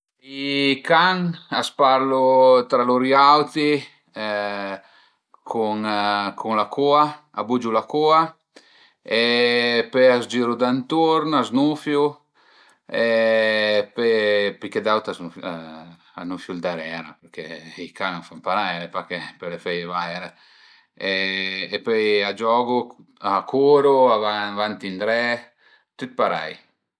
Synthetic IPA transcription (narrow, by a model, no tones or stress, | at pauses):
ikaŋaspaɾlut̪ɾaluɾjawt̪i | kʰuŋkʰuŋlakʰua | a̰bud͡ʒulakua | epeazd͡ʒiɾud̪ant̪uɾnaznufju | e | pɛpiked̪awt̪aza | anufjuld̪aɾɛɾapɛɾkɛikanfampaɾajɾepakepɛlefɛjevajɾa | eepøjad͡ʒɔɡu | akʰuɾuaavant̪ind̪ɾɛ | t̪ut̪̚paɾa̰j